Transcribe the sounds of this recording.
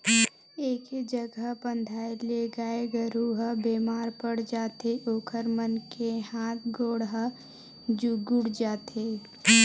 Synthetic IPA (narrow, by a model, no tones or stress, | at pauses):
eːkd͡ʒəɡəpə̃nd̪ʱaːeleɡaːeɡəɾuɦəbeːmaːɾpəɽ̤d͡ʒaːt̪eʔoːkʰəɾmənkehaːt̪ʰɡoːɽɦə | d͡ʒuɡʊɽd͡ʒaːt̪eː